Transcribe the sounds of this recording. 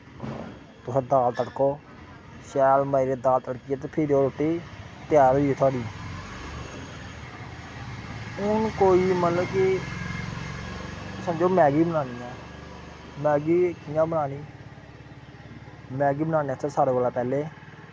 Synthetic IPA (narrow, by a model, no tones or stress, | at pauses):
t̪ʊsẽːd̪aːlt̪əɽkoː | ʃɛːlmaːiːɾeːd̪aːlt̪əɽkɪjɛːt̪̬eːpʰɪɾoːɾoʈːeːt̪ɪjaːɾoːieːt̪ʰwaːɽiː | ɪnũːkoːiːmət̪ləbkɪ | saːd͡ʒoːmɛːɡiːbənaːniːɛː | mɛːɡiːkɪjãːbənaːniː | mɛːɡiːbənaːniːɛt̪ʰaːsaːɾeːbaːlaːpɛːleː